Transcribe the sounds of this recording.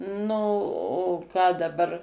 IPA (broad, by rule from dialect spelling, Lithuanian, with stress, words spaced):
ˈnʊ oː ˈkɑː dɐˈbɐr